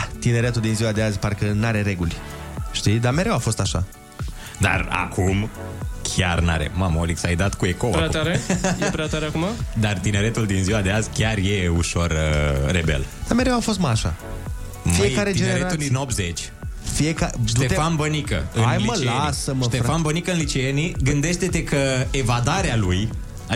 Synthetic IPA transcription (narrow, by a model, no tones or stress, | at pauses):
t̪ine̞ɾe̞t̪uld̪inziwad̪e̞azʲparkənaɾe̞ɾe̞ɡulʲ | ʃt̪id̪ame̞ɾe̞wafo̞st̪aʃa̰ | d̪a̰ra̰kʰumkʲʰarna̰ɾḛmamoliksajd̪at̪kue̞koa̰ɾat̪aɾejpɾɛat̪aɾeakumad̪art̪ine̞ɾet̪uld̪inziwad̪e̞azʲkʲarje̞uʃo̞rəːḛbḛld̪̥ameɾeafo̞st̪maʃa̰ | mfieaɾet̪id͡ʒeneɾeauld̪inop̚t̪zet͡ʃʲ | fiekaʃt̪et̪fanbənikə̰ɨanjmliəllasəməʃt̪efanbənikəɨnlit͡ʃeeniɡɨnd̪e̞ʃt̪e̞t̪e̞kəevad̪aɾealuj